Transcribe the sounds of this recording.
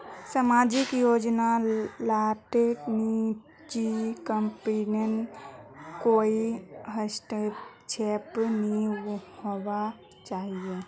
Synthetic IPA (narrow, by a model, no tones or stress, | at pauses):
samaːd͡ʒɪkjoːd͡ʒnalaʈekni | t͡ʃikəmpinen | koːiɦəsʈet͡ʃʰeːpnihowa | t͡ʃaːɦie